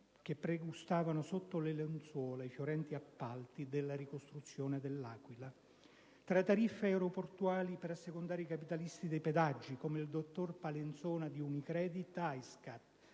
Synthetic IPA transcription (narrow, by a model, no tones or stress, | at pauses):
k̟epːɾeɡust̪aːvanʊsot̪ːolelent̪swɔːlaifjoɾɛnt̪iapːalt̪id̪elːaɾikost̪ɾut̪sːjɔːned̪elːaːkwila | t̪ɾat̪ːaɾifːeɛwɾoport̪uaːlipeɾasːekond̪aːɾeikapit̪alist̪id̪ejped̪ad͡ʒːikomeild̪ot̪ːorpalent̪sɔːnad̪iunikɾɛːd̪it̪ajskat̪